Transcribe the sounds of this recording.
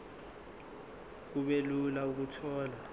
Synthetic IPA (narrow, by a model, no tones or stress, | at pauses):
k̬uɓelulauk̬utʰɔːla